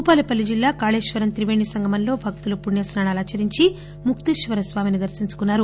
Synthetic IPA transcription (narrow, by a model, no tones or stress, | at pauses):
uːpaːlipɐlːid͡ʒilːaːkaːɭeːʃʋɐɾɐnt̪ɾiʋeːɳːisɐŋɡʱɐmɐnlo̞ːbʱɐk̚t̪ulupuɳjɐsnaːɳaːlaːt͡ʃɐɾiɲt͡ʃi | mukt̪iʃʋɐɾɐsʋaːminid̪ɐɾsiɲt͡ʃu̥kunːaːɾu